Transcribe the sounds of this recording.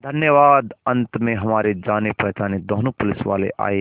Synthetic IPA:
d̪ʱənjəʋaːd̪ə̃nt̪mẽɦɐmaːɾed͡ʒaːnepɾɐɦt͡ʃaːnid̪oɦnupʊlɪsʋa̰ːlḛʔa̰ːe

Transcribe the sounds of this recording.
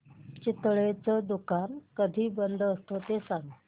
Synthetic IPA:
t͡ɕit̪ɭet͡səd̪ukankəd̪ʱiːbənd̪ʱəst̪ot̪esaŋ

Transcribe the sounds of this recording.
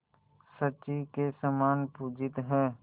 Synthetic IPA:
səʃikesəmaːnpud͡ʒɪt̪ɦɛː

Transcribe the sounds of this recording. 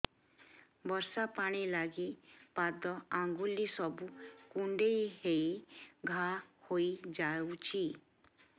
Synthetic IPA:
bɔɾsapaɽ̃ilaɡipad̪ɔaŋɡulisɔbukuɳɖejɦeiɡʱahoid͡ʒawt͡ʃʰi

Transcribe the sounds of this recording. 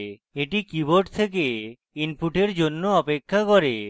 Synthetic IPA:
eʈikiboɾʈt̪ʰek̬e | inpuʈeɾd͡ʑonːoɔpekʰːakɔɾe

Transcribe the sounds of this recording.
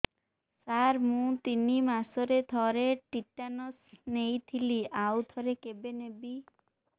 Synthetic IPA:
saɾmũt̪inimasoɾed̪ʱɔɾeʈiʈanɔsnejt̪ʰiliʔawd̪ʱɔɾekebenebi

